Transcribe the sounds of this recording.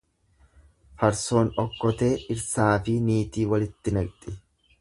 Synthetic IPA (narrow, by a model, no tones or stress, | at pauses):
fɐɾso̞ːnɔkːɔt̪e̞ːʔɪɾsaːfɪniːt̪iːwɐlɪt̪ːɪnɐkt̪ʼɪ